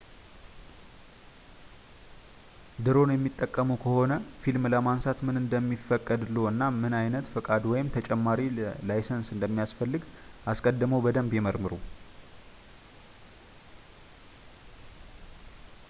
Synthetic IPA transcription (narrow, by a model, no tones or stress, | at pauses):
d̪ɨɾo̞njɛmːit̪ʼːəkʼːəməwkʰəho̞nəfilmləmansat̪mɨnɨnd̪əmːifːəkʼːəd̪loɨnːamɨnajnət̪fɨkʼad̪wɔjɪmt̪ʰət͡ʃʼɛmːaɾilajsənsɨnd̪əmːijasfəlːɨɡʔaskʼəd̪ːɨməwbəd̪əmbjɛməɾmɨɾu